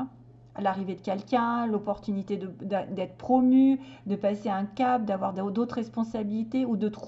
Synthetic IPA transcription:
laʁived̪əkʲɛlkʲɛ̃lɔpɔʁt̪ynit̪ed̪əd̪ɛd̪ɛt̪χə̥pχɔmyd̪əpaseaɛ̃kʲap̚d̪avwaʁd̪od̪ot̪χʁɛspɔ̃sabilit̪eud̪ət̪

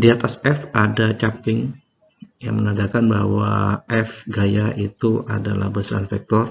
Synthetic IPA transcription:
diat̪asɛfadat͡ʃapɪŋ | ja̰ŋmənaɡakanbaɦwaɛfɡajaʔit̪uʔadala̰hbəsɾa̰nfɛk̚t̪ɔr

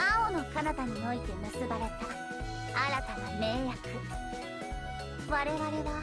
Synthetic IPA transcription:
aono̞kanat̪aɲ̟ino̞it̪e̞mɯ̟sɨbaɾe̞t̪a | aɾat̪aname̞ːjakɯ | βaɾe̞ɾaɾe̞da

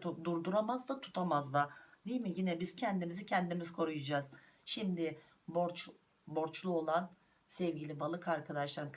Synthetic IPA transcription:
d̪uɾd̪uɾamazd̪at̪ʰu̥t̪ʰamazd̪ˠad̪ijmɪjinɛbiz̥cʰɛnd̪imizicʰɛnd̪imizkʰo̞ɾujad͡ʒaːz̥ | ʃimd̪ɪ | boɾt͡ʃ | bo̞ɾt͡ʃlˠuo̞lˠan | sɛvɟilʲibalˠɯkaɾkʰad̪aʃlˠaɾɯn

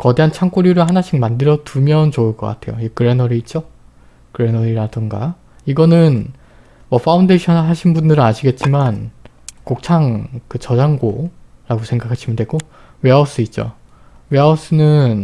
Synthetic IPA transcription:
kʌde̞ɦant͡ɕʰaŋk͈oɾjuɾɯɭɦanaɕʰiŋmandɯɾjʌtumjʌnt͡ɕoɯɭk͈ʌk͈a̰tʰe̞joiekɯɾe̞nʌɾiːt̚t͡ɕ͈o | kɯɾe̞nʌɾiɾadɯŋɡa | iɡʌnɯn | wʌfʰaundeɕʰʌnɦaɕʰinbundɯɾɯaɕʰiɡe̞t̚t͡ɕ͈iman | kok̚t͡ɕʰaŋkɯt͡ɕʌd͡ʑaŋɡoɾaɡosʰe̞ŋɡakʰaɕʰimidwe̞ɡo | we̞os͈ɯit̚t͡ɕ͈o̰ | weaos͈ɯnɯn

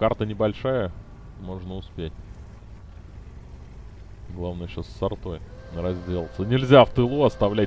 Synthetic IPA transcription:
kart̪ənʲɪbɐlʲʂajə | mo̞ʐnəʊspʲetʲ | ɡlˠavnəjəɕasʲːɐrt̪o̞jnəɾɐzʲdʲe̞lˠt̪sənʲɪlʲzʲaft̪ɨlˠuɐst̪ɐvlʲæt̚ʲ

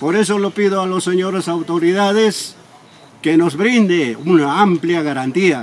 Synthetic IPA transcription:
poɾe̞s̬o̞lopiðoalosːeɲoɾesawt̪oɾiðaðes | keno̞zβɾind̪eunaampljaɣaɾant̪ia

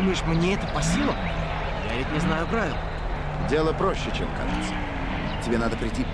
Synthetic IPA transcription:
məjɪʂmnʲeɛt̪əpɐsʲilˠə | javʲɪt̚ʲnʲɪznajʊpɾavʲɪlˠ | dʲelˠəpɾoɕːɪt͡ɕemka̰ʐt̪sə | tʲɪbʲenad̪əpɾʲɪtʲːi

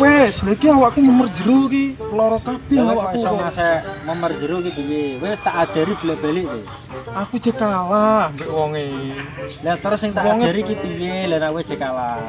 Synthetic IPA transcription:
weslekiawaʔkuməmər̥d͡ʒəɾukilɔɾɔkab̥ɛawausɔmasɛməmər̥d͡ʒəɾukip̪ijewest̪aʔad̥ʒ̥a̤ɾib̥i̤lɛʔb̥alɪʔwe | akud̥ʒ̥ə̤kalambeʔwɔŋe | lɛt̪ɔrsɪŋt̪awɔadŋʒa̤ɾikip̪ijelanakuwe̥d͡ʒ̥ə̤kala

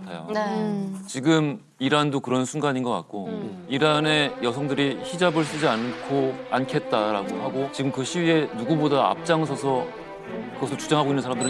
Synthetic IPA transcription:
tʰajo̰et͡ɕiɡɯm | iɾandokɯɾʌnsʰunɡaɲinɡʌk͈a̰t̚k͈o | iɾane̞jʌsʰʌŋdɯɾiçid͡ʑabɯɭs͈ɯd͡ʑiankʰoankʰe̞t̚t͈aɾa̰ɡohaɡot͡ɕiɡɯmkɯɕʰiwie̞nuɡubodaa̰p̚t͡ɕ͈aŋsʰʌsʰʌ | kɯɡʌsʰot͡ɕud͡ʑaŋɦaɡoinːɯnsʰaɾamdɯɾɯ

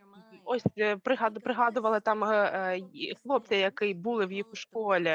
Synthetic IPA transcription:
ɔsʲpɾɨɣad̪pɾɨɣɑd̪ʊvɐlˠɨt̪am | xlˠɔp̚t͡sʲɛjakɨjbulˠɨwjixuʂkɔlʲɛ

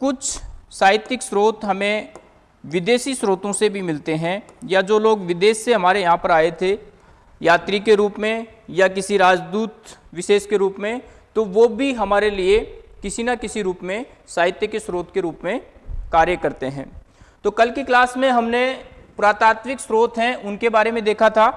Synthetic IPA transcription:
kʊt͡ʃʰsaːjɪt̪ɪksɾoːt̪ɦɐmẽ | ʋɪd̪eːsisɾoːt̪õsebʱimɪlt̪eɦɛ̃jad͡ʒoːloːɡʋɪd̪eːsːeɦɐmaːɾejɐɦãpəɾaːet̪ʰe | jaːt̪ɾikeɾuːpmẽ | jak̬ɪsiɾaːd͡ʒd̪uːt̪ʋɪʃeːʃkeɾuːpmẽ | t̪oʋobʱiɦɐmaːɾeliekɪsinakɪsiɾuːpmẽ | saːɦɪt̪jəkesɾoːt̪keɾuːpmẽkaːɾjəkɐɾt̪eɦɛ̰̃ː | t̪oːkɐlkiklaːsmẽɦɐmnepʊɾaːt̪aːt̪mɪksɾoːt̪ʰɦɛ̃ʔʊnkebaːɾemẽd̪eːkʰat̪ʰaː

